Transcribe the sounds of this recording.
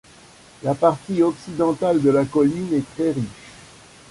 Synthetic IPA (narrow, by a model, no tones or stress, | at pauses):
lapaʁt̪iɔksid̪ɑ̃t̪ald̪əlakɔlinɛt̪χɛʁiʃ